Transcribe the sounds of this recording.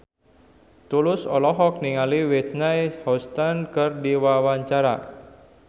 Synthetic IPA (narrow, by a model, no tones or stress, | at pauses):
t̪ulʊsɔlɔɦɔk̚niŋaliwet̪̚najhɔst̪ankɨrdiwawaɲt͡ʃaɾa̰